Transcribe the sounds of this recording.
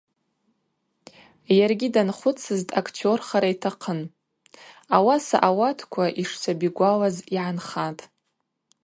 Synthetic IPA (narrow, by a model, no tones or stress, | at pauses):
jarɡʲidanχʷʊt͡sʰɨztʼakʰtʰo̞rχaɾaitʰaqʰən | awasa̰ʔawatʰkʷʰaʔiʂt͡sʷʰabiɡʷalaziʕanχatʼ